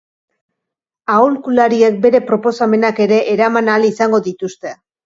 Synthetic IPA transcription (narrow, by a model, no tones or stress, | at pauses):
aolkulaɾie̞k̚be̞ɾe̞pɾo̞po̞same̞nake̞ɾe̞ʔːɾamanalisaŋɡo̞ðit̪ust̪e̞